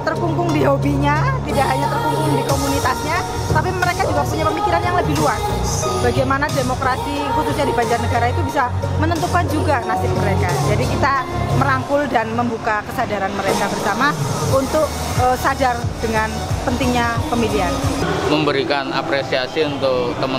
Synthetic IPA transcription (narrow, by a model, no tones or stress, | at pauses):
t̪ərkuŋkʊŋdiɦobiɲat̪idaʔɦaɲat̪ərkuŋkʊŋdikomunit̪asɲa | t̪apiməɾekad͡ʒuɡapuɲapəmikiɾanjaŋləbɪhluas | baɡajmanademokɾasi | kusuɲadibaɲd͡ʒarnəɡaɾait̪ubisamənənt̪ukand͡ʒuɡanasɪp̚məɾekad͡ʒadikit̪aməɾaŋkʊldanməmbukakəsadaɾanməɾekabərsamaunt̪ʊk̚ | əsad͡ʒardəŋan | pənt̪ɪŋɲapəmidianməmbəɾikana̰pɾesiasiunt̪ʊkt̪əmə